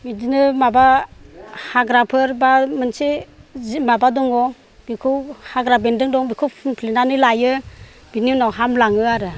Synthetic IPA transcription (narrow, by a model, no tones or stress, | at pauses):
midinɯmaba | haɡɾapʰɯɾbamɯnsezmabadɔŋɔ | bikʰɯwhaɡɾabendɯŋdɔŋbikʰɯwpʰɯnpʰlenanɯlajɯ | biniwnɔɦamlaŋɯaɾɯ